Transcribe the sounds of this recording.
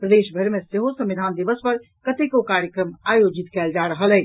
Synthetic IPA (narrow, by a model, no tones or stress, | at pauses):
pɾəd̪eʃbʱəɾmeseɦosə̃mʋid̪ʱand̪ibəspəɾ | kət̪ekokaɾjəkɾəmajod͡ʒit̪kɛld͡ʒaɾəɦəlɛ